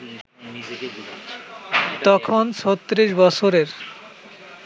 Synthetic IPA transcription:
t̪ɔkʰonʃʰɔt̪ːɾiʃbɔt͡ɕʰoɾeɾ

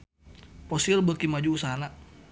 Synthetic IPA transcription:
pɔsilbəkimad͡ʒuusana

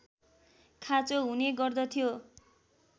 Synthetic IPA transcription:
kʰat͡soɦuneɡʌrd̪ʌt̪ʰijo

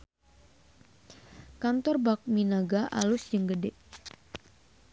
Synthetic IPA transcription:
kant̪ɔrbak̚minaɡaʔa̰lʊsd͡ʒəŋɡədɛʔ

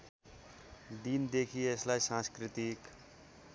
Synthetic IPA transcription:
d̪ind̪ekʰieslaisãnskɾit̪ik

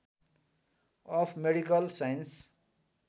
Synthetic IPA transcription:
ʌpʰmeɽikʌlsajns

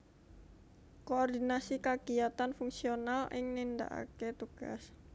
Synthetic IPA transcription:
koɔrd̪inasikaɡ̥iat̪anfuŋsionalʔɪ̰ŋnind̪a̰ʔa̰ket̪uɡ̥a̰s

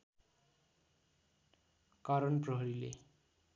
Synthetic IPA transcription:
kaɾʌnprʌɦʌɾilḛ

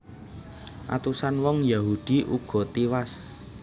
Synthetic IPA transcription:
ʔa̰t̪usanwɔŋjaɦud̪̥i̤ʔuɡ̥ɔ̤t̪iwas

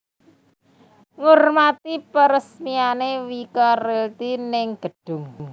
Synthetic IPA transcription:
ŋurmat̪ipəɾəsmianewikɔrelt̪inɪŋɡ̥əɖ̥ʊ̤ŋ

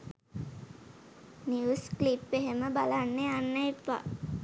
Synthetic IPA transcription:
niusklipːeɦeməbalanːeanːəipːa̰

